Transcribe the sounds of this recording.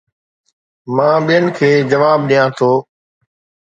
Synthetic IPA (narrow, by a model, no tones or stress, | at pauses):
mãːɓijənɪkʰeːd͡ʒəʋaːb̚ɗijãːt̪ʰoː